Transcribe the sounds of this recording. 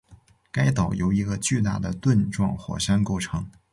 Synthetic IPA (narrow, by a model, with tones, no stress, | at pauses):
ka˥ɪt̪ɑ˨˩ʊjo˧˥ʊi˧˥ɡə˧t͡ɕy˥˧t̪a˥˩d̪ə̰˩t̪wə˥˧nʈ͡ʂwɑ̰˥˩ŋxwɔ̰˨˩ʂa˥nko˥˧ʊʈ͡ʂʰɤ˧˥ŋ